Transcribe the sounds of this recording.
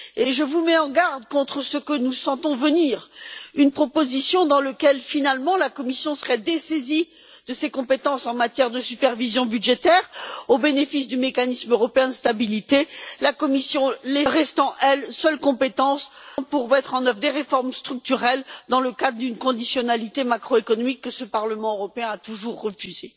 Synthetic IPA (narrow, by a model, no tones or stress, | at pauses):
eʒəvumɛɑ̃ɡaʁd̪kɔ̃t̪χəsəkənusɑ̃t̪ɔ̃vəniːʁynpχɔpozisjɔ̃d̪ɑ̃ləkʲɛlfinalmɑ̃lakɔmisjɔ̃səʁɛd̪esezi | d̪əsekɔ̃pet̪ɑ̃sɑ̃mat̪jɛʁd̪əsypɛʁvizjɔ̃bydʒet̪ɛʁobenefis̬d̪ymekanismøʁɔpeɛ̃d̪əst̪abilit̪elakɔmisjɔ̃lɛʁɛst̪ɑ̃ʔɛlsœlkɔ̃pet̪ɑ̃spuʁmɛt̪χɑ̃nœvʁd̪eʁefɔʁmst̪χyk̚t̪yʁɛld̪ɑ̃ləkad̪ʁəd̪ynkɔ̃d̪isjɔnalit̪emakχoekɔnɔmikːəsəpaʁləmɑ̃øʁɔpeɛ̃at̪uʒuʁːəfyze